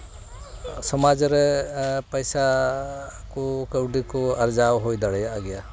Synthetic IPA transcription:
sɔmad͡ʒɔɾɛpɔjsa | kɔkəwɖikɔaɾd͡ʒawɦojd̪aɽɛjaʔaɡɛja

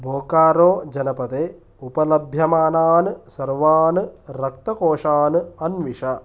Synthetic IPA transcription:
bʱoːkaːɾoːd͡ʒɐnɐpɐt̪eː | upɐlɐbʱjɐmaːnaːnɨsɐɾʋaːnɨɾɐkt̪ɐkoːʂaːnɨɐnʋiʂɐ

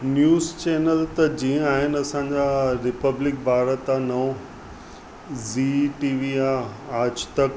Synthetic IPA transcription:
njuːzt͡ɕeːnəlt̪ɐd͡ʑĩːə̃aːɦɪnɐsãɲd͡ʑaɾɪpəblɪk̚bʱaːɾət̪anɐõ | ziːʈiːʋiãaːd͡ʑt̪ɐk

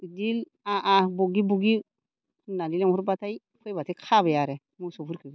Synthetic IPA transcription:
idil | aʔaboɡibuɡi | nalileuɾbatai | fojbatikʰabejaɾe | musofuɾkiɡi

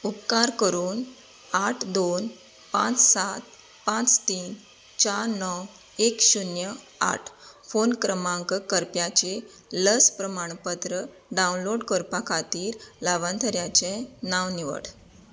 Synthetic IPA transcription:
upkaɾkəɾuːn | aʈʰd̪on | pãt͡ssat̪̚ | pãt͡st̪iːn | t͡ɕaɾnɔw | ekɕunjə | a̰ʈʰfonkɾəmãŋkkəɾpjat͡ɕe | ləspɾəmaɳ̃pət̪ɾə | ɖaunloɽkəɾpakʰat̪iːɾlaʋant̪ʰəɾjat͡ɕenaʋniʋə̰ɽ

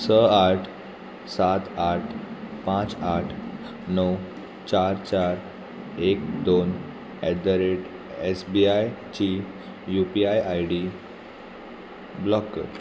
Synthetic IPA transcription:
səaʈʰ | sat̪aʈʰpãt͡saʈʰ | nəw | t͡ɕaɾt͡ɕaɾ | ekd̪on | ɛd̪əɾeʈ | esbiajt͡ɕi | jupiajajɖi | blɔkː

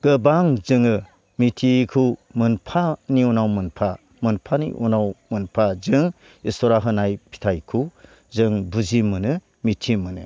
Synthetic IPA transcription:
ɡ̥ɯbaŋzɯŋɯ | mitʰikʰumɯnpʰaniunawmɯnpʰa | mɯnpʰanḭʔunawmɯnpʰazɯŋ | istɔɾaɦɯnajpʰi̥tʰajkʰu | zɯŋbuzimɯnɯ | mitʰimɯnɯ̰

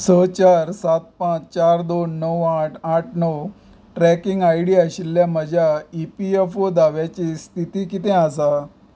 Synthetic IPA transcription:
sət͡ɕaɾsat̪̚pãt͡ɕt͡ɕaɾd̪onːəwaʈʰaʈʰnəw | ʈɾɛkiŋɡajɽiːaɕilːjaməd͡ʑʱjaipiefod̪aʋjat͡ɕiːst̪ʰit̪iːkit̪ɛ̃as̬a

